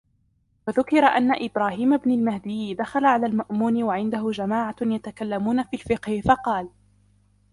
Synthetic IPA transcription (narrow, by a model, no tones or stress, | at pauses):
waðʊkɪɾaʔanːaʔɪbɾaːhiːmabnalmahd̪ɪjːd̪axalaʕalaːlmaʔmuːnɪwaʕɪnd̪aɦʊd͡ʒamaːʕajat̪akalːamuːnafiːlfɪqhɪfɑqɑːl